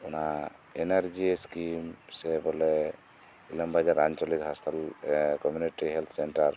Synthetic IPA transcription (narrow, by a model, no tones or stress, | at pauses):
ɔna | enaɾd͡ʒieskimsɛbɔlɛ | ilɔmbad͡ʒaɾant͡ʃɔlit̪ɦast̪alkɔmjuniʈiɦɛlt̪ʰsenʈaɾ